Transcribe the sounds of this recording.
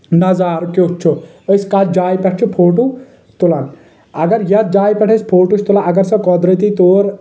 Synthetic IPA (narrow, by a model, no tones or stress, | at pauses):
nɐzaːɾkot͡ʃʰu | əskaːt̪̚d͡ʒaːjpɛʈʰt͡ʃʰupʰoːʈu | t̪ulɐn | ɐɡɐɾjɐt̪̚d͡ʒaːjpɛʈʰespʰoːʈut͡ʃʰt̪ulaɐɡɐɾsɐ̃kɔd̪ɾət̪it̪oːɾ